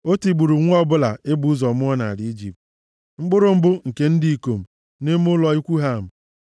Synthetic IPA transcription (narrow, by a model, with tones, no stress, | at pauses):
o˦ti˨ɡ͡bu˨ɾu˨ŋʷ˦ɔ˦bʊ˦la˨ɪ˦bu˦zɔ˨mʊ˦ɔ˦na˨a˨li˦d͡ʒḭ˨p̚t̚ | ŋ͡m̩˦ɡ͡bʊ˦ɾʊ˦m̩˦bʊ˦ŋ̩˨ke˦n̩˦di˨i˨ko˨m̩˨ | ne˦m˦ʊ˦lɔ˨i˦kʷu˦ɦa˦˨m̩˨